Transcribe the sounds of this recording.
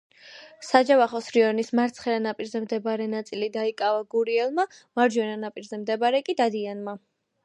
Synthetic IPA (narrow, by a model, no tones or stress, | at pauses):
sad͡ʒavaχɔsɾiɔnismaɾt̪sʰχɛɾanapʼiɾzɛmd̪ɛbaɾɛnat̪sʼilid̪aikʼavaɡuɾiɛlˠmamaɾd͡ʒwɛnanapʼiɾzɛmd̪ɛbaɾɛkʼid̪ad̪ianma